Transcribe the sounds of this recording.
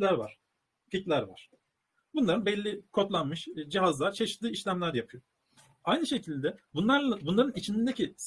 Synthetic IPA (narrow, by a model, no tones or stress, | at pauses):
lʲæɾva̰ɾ̥ | ficlʲæɾva̰ɾ̥ | bunlˠaɾɯnbɛlʲːikʰo̞t̪lˠanmɯʃd͡ʒiɦazlˠaɾt͡ʃʰe̞ʃit̪ʰːɯːiʃlʲæmlʲæɾd̪ɛjapʰɯjo | ajnɯʃe̞cʰilʲd̪ɛbunˠaɾabunlˠaɾɯnit͡ʃʰinind̪ecʰis